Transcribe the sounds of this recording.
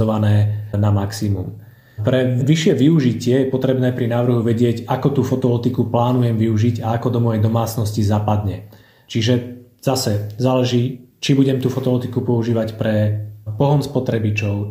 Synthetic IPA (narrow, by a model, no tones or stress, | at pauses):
ɔʋanɛːnamaksimum | pɾɛʋiʃɪɛʋiuʒicɪɛjɛpɔt̪ɾɛbnɛːpɾinaːʋr̩ɦuʋɛɟɪɛɟakɔt̪uːfɔt̪ɔlɔt̪ikuplaːnujɛmʋiuʒiɟaakɔd̪ɔmɔjɛjd̪ɔmaːt͡snɔscizapad̪ɲɛ | t͡ʃiʒɛ | z̥asɛzaːlɛʒiːt͡ʃibuɟɛmt̪uːfɔt̪ɔlɔt̪ikupɔuʒiːʋacpɾɛpɔɦɔnspɔt̪ɾɛbit͡ʃɔʊ